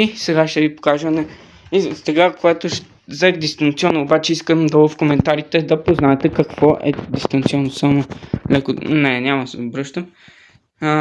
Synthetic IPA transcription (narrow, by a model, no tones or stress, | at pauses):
isɛɡaʃt̪ɛvipo̥kaʒənɛ | sɛɡakoat̪oʃ | zɛkd̪ist̪ɐnt̪siɔnoobat͡ʃɛiskəmd̪ɐvofkomɛnt̪aɾit̪ɛd̪ɐpoznaɛt̪ɛkɐkvɔʔɛ̰d̪ist̪ɐnt̪siɔnosamolɛkonɛnʲamɐsɛobɾɤʃt̪əm